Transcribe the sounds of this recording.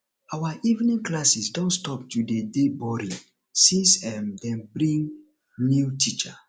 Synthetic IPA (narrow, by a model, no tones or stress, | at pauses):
awaʔivnĩŋklasisdɔ̃ntstɔp̚tudedebɔɾĩŋ | sĩsɛmdɛ̃mbɾĩŋ | niutʰit͡ʃa